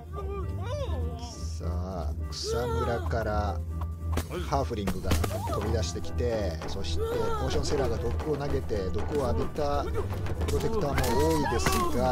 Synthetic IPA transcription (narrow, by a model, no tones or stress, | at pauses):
sa̰kɯ̟̥samiɾakaɾa | haːɸɯ̟ɾʲĩŋɡɯ̟ɡa̰t̪o̞bʲid̪aɕi̥t̪e̞kʲi̥t̪e̞ | so̞ɕi̥t̪e̞moːɕõ̞se̞ɾaːɡad̪o̞kɯ̟onaɡe̞t̪e̞d̪o̞kɯoaɡet̪a | pɯɾo̞t̪e̞kɯ̟̥t̪aːmo̞oːid̪e̞sɨɡa